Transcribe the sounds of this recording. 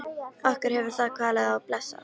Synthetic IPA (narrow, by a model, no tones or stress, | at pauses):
ahkʏɾ̥hɛvʏ̥θaðkʰaːlɪðawplɛsa̰